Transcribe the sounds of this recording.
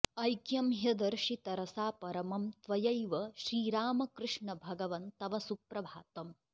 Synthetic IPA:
ɐjkjɐmɦjɐd̪ɐɾʂit̪ɐɾɐsaːpɐɾɐmɐmt̪ʋɐjɐjʋɐʃɾiːɾaːmɐkɾɨʂɳɐbʱɐɡɐʋɐnt̪t̪ɐʋɐsupɾɐbʱaːt̪ɐm

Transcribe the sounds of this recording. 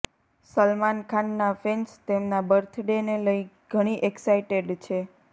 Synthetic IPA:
səlmankʰanːafenst̪emnabəɾt̪ʰɖeneləiɡ̥ʱəɽ̃iʔeksaiʈeɖt͡ʃʰe

